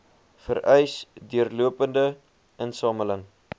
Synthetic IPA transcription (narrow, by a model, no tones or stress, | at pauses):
fə̰rʔɛjsdyərluəpəndə | ʔənsɑːmələŋ